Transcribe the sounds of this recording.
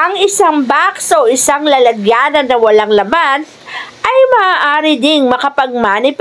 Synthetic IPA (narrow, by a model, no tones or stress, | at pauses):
ʔɐŋɪsaŋbaksoʔɪsaŋlɐlɐɡjaːnɐnːɐwɐlaŋlɐman | ʔɐjmɐʔaːʔaːɾɪd̪ɪŋmɐkɐpɐɡ̚maːnɪp